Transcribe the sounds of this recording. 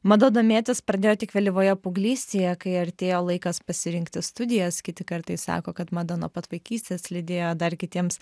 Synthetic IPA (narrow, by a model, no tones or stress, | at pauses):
mɐd̪oːd̪oːmʲeːt̪ʲɪspɾɐd̪ʲeːjoːt̪ʲɪkʋʲɛlʲɪʋoːjɛpʊɡlʲiːsʲt̪ʲeːjɛkɐɪɐɾʲt̪ʲeːjoːlˠɐɪkɐspɐsʲɪɾʲɪŋkt̪ʲɪst̪ʊd̪ʲɪjɛskʲɪt̪ʲɪkɐɾt̪ɐɪssɑ̰ːkoːkɐt̪mɑd̪ɐnoːpɐt̪ʋɐɪkʲiːsʲt̪ʲeːslʲɪd̪ʲeːjoːd̪ɐɾkʲɪt̪ʲiɛms